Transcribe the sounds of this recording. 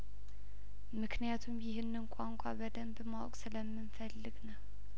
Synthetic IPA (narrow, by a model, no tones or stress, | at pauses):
mɨkʰnijat̪ʰumjɪɦɨnːɨnkʷʼaŋkʷʼabəd̪əmbmawɔkʼsɨləmːɨnfəlːɨɡnəw